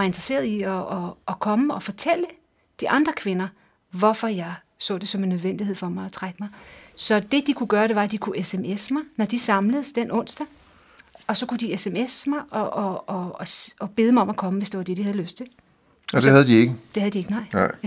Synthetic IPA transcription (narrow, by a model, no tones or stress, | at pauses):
ɑ̈e̝nd̥ʁɐse̝̰ːɐðˠiɒʔːkʰɒ̽məɒ̽fɒ̽t͡sʰel̰ə | d̥iʔɑ̈nd̥ʁɐkʰʋe̝nɐ | ʋɒfɒjɑ̈ɪ | sɔ̰̽ːd̥e̝sɒ̽me̝nːøð̞ˠʋen̰d̥ihe̝ð̰ˠfɒ̽mɑ̈ɪɒt͡sʰʁaɡ̥əmɑ̈ɪsɒ̽d̥e̝d̥ikʰuɡ̥ɶːɐɾ̥e̝ʋɑ̈æd̥ikʰuʔesemesmɑɪnɒd̥isɑ̈mləð̩ˠəsd̥enʔɔ̽n̰sd̥æ | ɒ̽sɒ̽kud̥iesemesmɑ̈ɪʔɒʔɒ | ɒb̥e̝ð̞ˠmɑɒ̽mækʰɒ̽məʋe̝sd̥e̝ʋɑd̥e̝d̥ihæðˠløsd̥t͡sʰe̝l | d̥ehæðˠd̥ieɡ̥əd̥e̝hæðˠd̥ie̝ɡ̥ənɑ̈ɪ̰